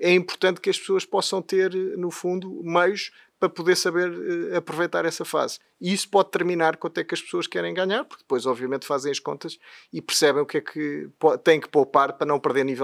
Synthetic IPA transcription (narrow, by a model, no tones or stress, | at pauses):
ɛĩmpuɾt̪ɐ̃nt̪̚kɐʃpsoɐʃpɔsɐ̃w̃t̪eɾnufũnd̪umɐjuʃ | pɾɐpuðeɾsɐβeɾɛɐpɾuvɐjt̪aɾɛsɐfa̰z̥ | isu̥pɔðt̪ɨɾminaɾkwɐ̃ɐt̪ɛkɐʃpsoɐʃkɛɾɐ̃j̃ɡaɲaɾpuɾk̚ðɨ̥pojzɔbviɐmẽnt̪fazẽj̃ɐʃkõ̰nt̪ɐʃipɨɾsɛβɐ̃j̃ukɛkʰɨpɔt̪ɐ̃j̃kɨ̥powpaɾpɾɐnɐ̃w̃pɨɾðeɾnivɛ